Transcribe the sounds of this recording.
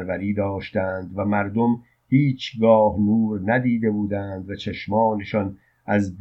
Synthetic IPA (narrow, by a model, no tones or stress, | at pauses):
ɾvæɾiːd̪ɒːʃt̪ænd̪væmæɾd̪o̞m | hiːt͡ʃʰɡɒːhnuːɾnæd̪iːd̪e̞buːd̪ænd̪væt͡ʃʰeʃmɒːne̞ʃɒːn | ʔæzb